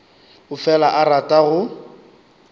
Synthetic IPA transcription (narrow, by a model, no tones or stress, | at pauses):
ʊfɛlaʔaratʼaɣʊ